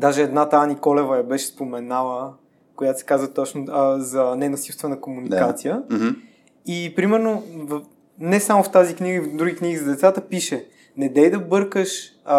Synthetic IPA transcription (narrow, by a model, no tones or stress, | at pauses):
d̪aʒɛɛd̪nat̪anikɔlɛvəjɐbɛʃɛ̥spomɛnalˠə | kojat̪osɛ̥kazvət̪ɔt͡ʃnozɐnɛnosifst̪vɛnəkomunikat̪sijə | ipɾimɛɾnov | nɛsamoft̪azikniɡəid̪ɾuɡikniɡizɐd̪ɛt̪sat̪əpiʃɛ | nɛd̪ɛjd̪ɐbɤɾkəʃ